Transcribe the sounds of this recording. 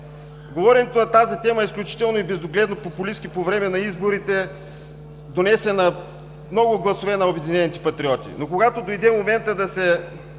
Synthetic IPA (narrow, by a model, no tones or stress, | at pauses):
ɡovɔɾɛnɛt̪onɐt̪azit̪ɛməisklʲut͡ʃi̥t̪ɛlˠnoibɛzoɡlɛd̪nopopʊliskipovɾɛmɛnɐizboɾit̪ɛ | d̪onɛsɛnɐ | mnɔɡʊɡlˠɐsovɛnɐobɛd̪inɛnʲit̪ɛ̥pɐt̪ɾiɔt̪ʲḭnokoɡat̪od̪ojd̪ɛmomɛnt̪əd̪ɐsɛ